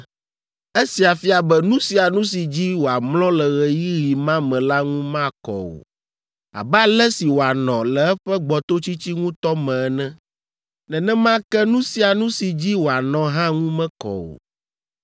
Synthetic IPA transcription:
e˦si˨a˨fi˦a˨bɛ˦nũ˦si˨a˨nũ˦s̬i˨d͡ʑi˦wo˨a˨mlɔ̃˦lɛ˨ɣɛ˨ji˦ɣi˨mã˦mɛ̃˨la˦ŋũ˦mã˦kɔ̰˨o̰˨ | a̰˨ba˦lɛ˦si˨wo˨a˨nɔ̃˨lɛ˨ɛ˦ɸɛ˦ɡ͡bɔ˨t̪o˦t͡ɕi˦t͡ɕi˦ŋũ˦t̪ɔ˦mɛ̃˨ɛ˨nɛ̃˦ | nɛ̃˨nɛ̃˦mã˦kɛ˦nũ˦si˨˦a˨nũ˦si˨d͡ʑi˦wo˨a˨nɔ̃˨ɦã˦ŋũ˦mɛ̃˦kɔ̰˨o̰˨

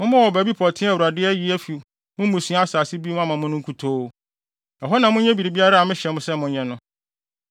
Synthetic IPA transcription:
mʊ̃˦mʊ̃˦wɔ˨bæ˨bi˦pʰɔ˨tʰɪ̃˦a˨wu˨ɾa˨dɪ˦ɛ˦ji˦æ˦fi˨ | mʊ̃˦m˦mũ˨sĩ˨˦a˦a˦˨saː˨sɪ˦bi˦ʊ̃˦a˦mã˨mʊ̃˦nʊ̃˦ŋ̩˦kʰu˨tʰo˦ | ɛ˨ɦɔ˦nã˨mʊ̃˦ɲɛ̃˦bi˨ɾi˨bi˦a˦ɾa˦a˨mɪ̃˦ɕɛ˨mʊ̃˦sɛ˦mʊ̃˦ɲɛ̃˦nʊ̃˦

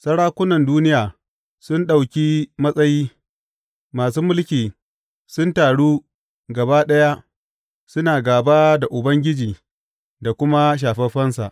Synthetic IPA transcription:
sɐ˦ɽaː˦kʷʊ˦nɐ˨nduː˦nɪ˦jaː˨ | sʊ˦nɗa˨wkʲiː˦mɐ˦sʼɐ˦jiː˦ | maː˨s̬uː˦mʊ˦lkʲiː˨ | sʊ˦ntaː˨ɽuː˦ | ɡɐ˨baː˦ɗɐ˦ja˦ | sʊ˦naː˨ɡaː˨baː˦da˨ʔʊ˨bɐ˦ŋɡʲɪ˦d͡ʒiː˨ | da˨kʷʊ˦ma˦ʃ̬aː˨ɸɛ˦ɸɐ˦nsa̰˨ʔ

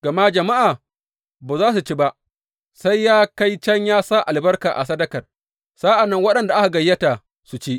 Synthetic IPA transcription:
ɡ̥ɐ˨ma˦d͡ʒɐ˨ma˦ʔaː˨ | baː˨zaː˦s̬u˨t͡ʃeː˦ba˦ʔ | sa˦jːaː˦ka˦jt͡ʃɐ˦ɲjaː˦saː˦ʔa˨lbɐ˦rkaː˨ʔa̰˨sɐ˦dɐ˦kɐ˨r | saː˦ʔa˨nːɐ˦ŋwɐ˦ɗɐ˨nda˨ʔa˦ka˨ɡɐ˨jːɐ˦ta˨ | su˨t͡ʃeː˦

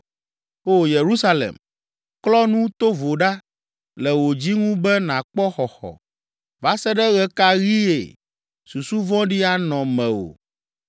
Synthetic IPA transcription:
o˦je˨ɾu˦sa˦lḛ˨m | klɔ˦nũ˦t̪o˦vo˨ɖa˦ | lɛ˨wo˨d͡ʑi˦ŋũ˦bɛ˦nã˨k͡pɔ˦xɔ˨xɔ̰˨ | va˦sɛ˦ɖɛ˦ɣɛ˦ka˦ɣi˦ḛ˨ | su˨su˦vɔ̃˦ɖi˦a˦nɔ̃˨mɛ̃˨o̰˨

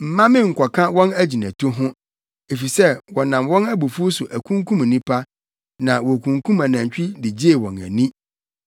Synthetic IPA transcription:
m̩˨mã˦mɪ̃˦ŋ̩˨kʷʰɔ˨kʰã˦wɔ̃˦næ˦d͡ʑi˨næ̃˨tʰo˦ɦʊ̃˦ | e˨fi˨sɛ˦wɔ˨nã˨mwɔ̃˦næ˦bu˨fu˦sʊ˨ʔæ˨kʰũ˦ŋkʰũ˦m˨nĩ˦pʰa˦ | nã˨wɔ˨kʰũ˨ŋkʰũ˦mã˨nã˨ɲ˨t͡ɕᶣɪ˦dɪ˨d͡ʑe˦e˨wɔ̰̃˨næ̰˨nĩ˦

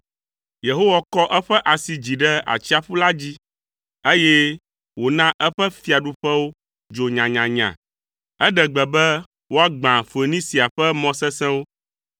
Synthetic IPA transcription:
je˨ɦo˦wa˨kɔ˦ʔɛ˦ɸɛ˦ʔa˨si˨d͡ʑi˨ɖɛ˦a̰˨t͡ɕi˦a˨ɸu˦la˦d͡ʑi˦ | e˦je˦ | wo˨nã˦ʔɛ˦ɸɛ˦fi˦a˨ɖu˦ɸɛ˦wo˦ | d͡ʒo˨ɲã˨ɲã˨ɲã̰˨ | ɛ˦ɖɛ˨ɡ͡bɛ˨bɛ˦ | wo˦a˦ɡ͡bã˨fe˨nĩ˦si˨a˨ɸɛ˦mɔ̃˦sɛ˦sɛ̃˦wo˦

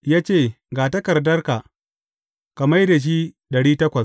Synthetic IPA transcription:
jaː˦t͡ʃeː˦˨ | ɡaː˨tɐ˦kɐ˨rdɐ˦rka˨ | kɐ˨mɐ˦jda˨ʃ̬i˦ | ɗɐ˨ɽiː˦tɐ˦kʷɐ˨s

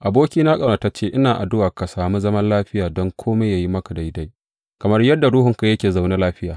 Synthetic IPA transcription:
ʔa˨boː˦kʲiː˦na˦kʼɐ˨na˨ta˦t͡ʃeː˦ʔɪ˦naː˨ʔa̰˨dʊ˦waː˨ka˨saː˨mu˦zɐ˦mɐ˦nlaː˦ɸɪ˦jaː˨dɔ˦ŋkʷʰoː˦me˦jaː˨ji˦mɐ˦ka˨da˨˦da˦j | kɐ˨mɐ˦rjɐ˦dːa˨ɽʊ˦ɦʊ˨ŋka˨jɐ˦kʲeː˨za˨wnaː˦laː˦ɸɪ˦jaː˨

